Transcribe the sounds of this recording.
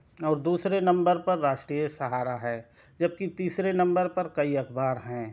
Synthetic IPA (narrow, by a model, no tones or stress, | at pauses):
ɔːɾd̪uːsɾenɐ̃mbəɾpɐɾːaːʃʈɾiːjəsɐɦaːɾaɦɛː | d͡ʒɐb̚kit̪iːsɾenɐ̃mbəɾpɐɾkɐiɐkʰbaːɾɦɛ̃ː